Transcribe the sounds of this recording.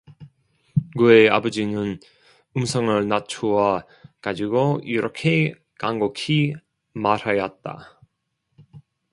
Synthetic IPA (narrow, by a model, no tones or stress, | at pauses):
ɡuea̰bʌd͡ʑinɯn | ɯmsʰʌŋɯɭnat͡ɕʰuwa | kad͡ʑiɡoiɾʌkʰe̞ | kaŋɡokʰi | maɾajʌt̚t͈a̰